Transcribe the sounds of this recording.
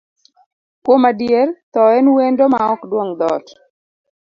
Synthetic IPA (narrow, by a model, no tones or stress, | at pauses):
kwomadjert̪ɔɛnwendomaɔkdwoŋd̪ɔt